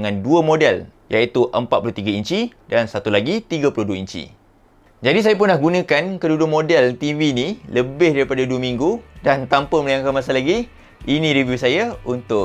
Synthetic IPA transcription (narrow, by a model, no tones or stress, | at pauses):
ŋãnduəmodɛljait̪uʔəmpat̪̚pulʊuht̪iɡaiɲt͡ʃidansat̪ulaɡit̪iɡapulʊhduaiɲt͡ʃḭ | d͡ʒadis̬ajap̬ʊnːahɡunãkankədudʊʔ̚modɛlt̪iviniləbɪhdaɾipadaduəmiŋɡudant̪ampəməlajaŋkanmasalaɡi | inĩɾiviusajaunt̪ʊ